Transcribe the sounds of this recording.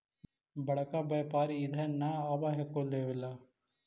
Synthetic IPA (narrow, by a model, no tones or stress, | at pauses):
bɐɭɐkabɐːpaːɾiːd̪ʱɐnːɐaːbaɦekːold̪eːʋilːa